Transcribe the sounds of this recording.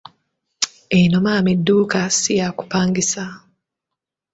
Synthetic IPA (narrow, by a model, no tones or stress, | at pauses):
enomaːmidːuːkasijaku̥paːŋɡisa